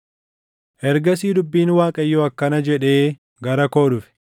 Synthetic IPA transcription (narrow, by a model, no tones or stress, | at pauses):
ʔɛɾɡɐs̬iːd̪ʊbːiːnwaːkʼɐjːɔɐkːɐnɐd͡ʒɛᶑe̞ː | ɡɐɾɐko̞ːɗʊfɪ̥